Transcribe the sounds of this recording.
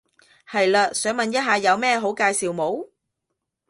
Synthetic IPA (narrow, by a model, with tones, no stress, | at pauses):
hɐ˨jlaː˧sœː˨˥ŋmɐ˨njɐ˥t̚ɦaː˨jɐ˨˧wmɛː˥˧ɦo˨˥wkaː˧jsiː˨wmo˨˥w